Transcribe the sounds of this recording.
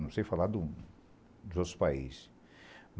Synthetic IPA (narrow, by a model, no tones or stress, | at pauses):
nɐ̃w̃sejfalad̪ʊ | d̪ʊzot̪ɾʊ̥spaḭz | m